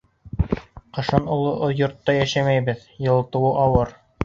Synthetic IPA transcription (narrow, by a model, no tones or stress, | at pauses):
qɤ̆ʃɑnŏlˠoʔojŏɾt̪ːɑjæʃæmæjbɘð | jɤ̆lˠt̪ɤ̆wɤʔɑwɤɾ